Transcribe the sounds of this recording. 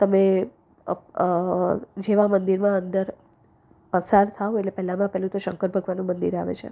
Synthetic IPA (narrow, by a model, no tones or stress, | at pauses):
t̪əme | d͡ʒeʋãmənd̪iɾmãənd̪əɾ | pəsaɾt̪ʰaõeʈlepɛɦlamãpɛɦlũt̪oʃə̰ŋkəɾbʱəɡʋanũmənd̪ḭɾaʋḛt͡ʃʰḛ